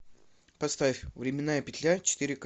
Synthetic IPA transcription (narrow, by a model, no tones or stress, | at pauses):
pɐst̪afʲvɾʲɪmʲɪnːajəpʲɪt̪ʲlʲat͡ɕɪ̥t̪iɾʲɪk